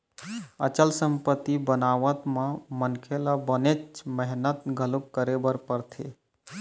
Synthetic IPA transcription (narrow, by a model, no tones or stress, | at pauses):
ət͡ʃəlsəmpət̪ːibənaʋət̪mãmənkʰelabənet͡ʃmɛɦnət̪ɡʱəlukkːəɾebəɾpəɾt̪ʰe